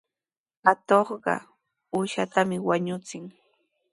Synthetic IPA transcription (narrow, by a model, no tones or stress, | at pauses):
hat̪oχɢɑ̰ | uːʃat̪amɪwaɲʊt͡sɪŋ